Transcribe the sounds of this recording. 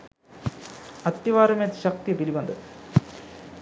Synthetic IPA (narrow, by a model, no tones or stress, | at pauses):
ɐt̪jiʋaːɾɐmet̪ʃɐk̚t̪ijɐbilibɐnd̪ɐ